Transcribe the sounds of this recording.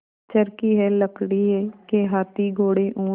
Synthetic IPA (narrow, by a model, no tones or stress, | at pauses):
t͡ʃəɾkiːɦɛːləkɽiːɛːkeɦaːt̪iːɡoːɽeːʔũː